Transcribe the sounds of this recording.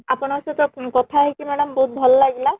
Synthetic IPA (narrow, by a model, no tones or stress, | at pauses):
apɔñaset̪ɔkɔt̪ʰaɦekimɛɽɔmbɔɦut̪̚bʱɔllaɡila